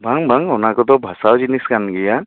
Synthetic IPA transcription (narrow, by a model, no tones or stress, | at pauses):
bʱaŋbʱaŋɔnakɔt̪ɔbʱasawd͡ʒiniskanɡija